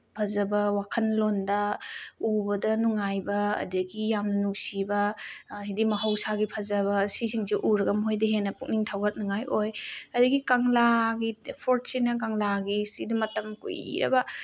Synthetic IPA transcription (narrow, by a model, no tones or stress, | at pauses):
pʰɐzɐbɐwakʰɐnlondɐubɐdɐnuŋajbɐ̰ːdɐɡijamnɐnuksibɐhidimɐɦɐwsaɡipʰɐzɐβɐsisiŋziʔuɾɐɡɐmɦojdɐɦenːɐpuk̚niŋtʰawɡɐt̚nuŋajʔojɐdɐɡikaŋlaɡipʰoɾt̚sinɐk̬aŋlaɡisidɐmɐtɐmkṵjḭɾɐ̰bɐ